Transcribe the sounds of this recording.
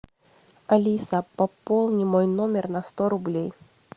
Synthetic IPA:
ɐlʲisəpɐpolˠnʲɪmojnomʲɪrnɐst̪oɾʊblʲej

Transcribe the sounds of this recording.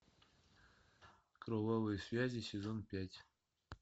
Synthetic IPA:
krovovɨjsvʲæzʲisʲezonpʲætʲ

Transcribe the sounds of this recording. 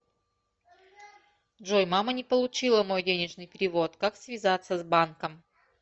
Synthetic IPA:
dʐojmamənʲɪpəlˠʊt͡ɕilˠəmo̞jdʲenʲɪʐnɨjpʲɪɾʲɪvo̞t̪kaksvʲɪzat̪sːəzbankəm

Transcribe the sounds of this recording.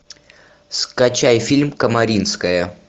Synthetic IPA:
skɐt͡ɕajfʲilʲmkəmɐɾʲinskəjə

